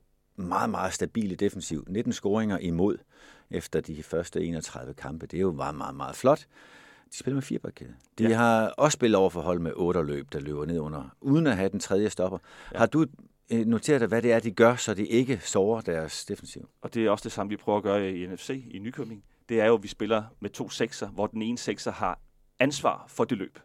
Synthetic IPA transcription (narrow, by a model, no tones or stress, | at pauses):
mɑ̈ːð̩ˠmɑ̈ːð̩ˠsd̥æb̥ḭːləd̥efen̩siʊ̰ned̥n̩sɡ̥oːeŋɐʔimo̝ð̞̰ˠʔefd̥ɐd̥ifɶɐsd̥əe̝̰ːnɒt͡sʰʁɑ̈ðˠʋəkʰɑ̈mb̥əd̥e̝æjo̝mɑ̈ːð̩ˠmɑ̈ːð̩ˠmɑ̈ːð̩ˠflɒ̽d̥ | d̥i̥sb̥e̝lɐmefḭːɐpʰɒlkʰe̝ðˠəd̥iɦɑ̈ɒ̽ssb̥e̝ləð̩ˠɒʊɐfɒɦɒ̽l̰meʔɔ̽ːɾ̥ɐlø̰ːb̥̚d̥ɑ̈lø̰ːb̥ɐne̝ð̞̰ˠɔ̽n̰ɐʔuð̞ˠn̩æɦæd̥ent͡sʰʁɛð̞ˠjəsd̥ɒ̽b̥ɐhɑ̈d̥u | no̝t͡sʰe̝ːɐðˠd̥ɑʋæɾ̥e̝æɐd̥iɡ̥ɶɐsɒ̽d̥iʔe̝ɡ̥əsɒʊɐd̥æɐsd̥e̝fensiʊʔɒ̽d̥e̝æɐɒ̽sd̥e̝sɑ̈məʋipʰʁœʊɐɡ̥ɶːɐienefse̝̰ːinykʰømeŋ | d̥e̝æɐjo̝ʋisb̥e̝lɐmet͡sʰo̝̰ːseɡ̥sɐʋɒd̥ene̝ːnəseɡ̥sɐhɑ̈ | ænsʋɑ̰̈ːfɒ̽d̥e̝lø̰ːb̥